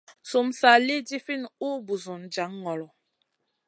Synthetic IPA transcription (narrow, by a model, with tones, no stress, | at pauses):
su˨msa˨li˦di˦fi˦˨nu˦bu˨zu˨n˨d͡ʒa˨˦ŋːɔ˨lɔ˨